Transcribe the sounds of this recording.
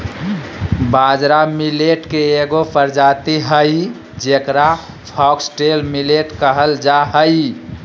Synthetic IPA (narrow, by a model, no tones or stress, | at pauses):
bad͡ʒɾamileʈkeeɡopʰəɾd͡ʒat̪iɦəj | d͡ʒekɾa | pʰɔksʈelmileʈkəɦəld͡ʒaɦəj